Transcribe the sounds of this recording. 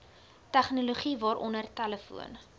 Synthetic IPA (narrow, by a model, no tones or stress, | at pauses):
tæχnuluχivɑːɾʔɔ̰nərtæləfṵən